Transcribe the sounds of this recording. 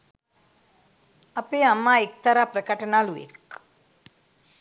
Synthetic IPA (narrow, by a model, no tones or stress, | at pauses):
apeːamːaːek̚t̪aɾaːpɾəkəʈənaːluʋḛk